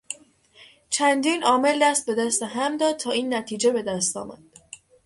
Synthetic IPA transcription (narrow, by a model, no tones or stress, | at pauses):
t͡ʃʰænd̪iːnɒːme̞ld̪æst̪̚be̞d̪æst̪eɦæmd̪ɒːd̪̚t̪ʰɒːiːnːæt̪ʰiːd͡ʒe̞be̞d̪æst̪ɒ̰ːmæ̰d̪̥